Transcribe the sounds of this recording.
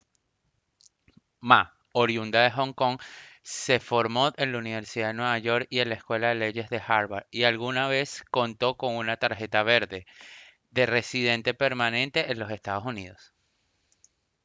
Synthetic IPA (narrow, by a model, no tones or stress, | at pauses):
ma | oɾjund̪aðexo̞ŋko̞ŋse̞fo̞ɾmo̞enlauniβe̞ɾsiðaðe̞nwe̞βaʝo̞ɾkie̞nlaeskwe̞lað̞e̞le̞ʝe̞zðe̞xaɾβaɾialɣunaβ̞e̞sko̞nt̪o̞ko̞ŋunat̪aɾxe̞t̪aβe̞ɾðe̞ | ðe̞re̞sið̞e̞nt̪e̞pe̞ɾmanẽ̞nt̪e̞ʔːnlo̞se̞st̪að̞o̞suniðo̞s